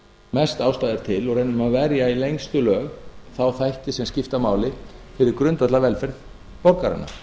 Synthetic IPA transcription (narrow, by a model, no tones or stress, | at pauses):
mɛst̪awst̪aːðɪɾ̥t̪ʰɪlɔɣrɛnːʏmaðvɛɾjailejŋst̪ʏlœːɣθawθajht̪ɪsɛmscɪft̪amaːwlɪfɪɾɪɾkɾʏnt̪at̪lavɛlfɪɾθ | pɔɾkaɾa̰nːa̰